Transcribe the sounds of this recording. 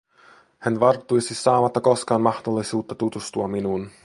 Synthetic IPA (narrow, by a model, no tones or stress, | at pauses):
hænʋɑrt̪ːujsisɑːmɑt̪ːɑko̞skɑːnmɑhd̪olːisuːt̪ːɑt̪ut̪ust̪uɑminuːn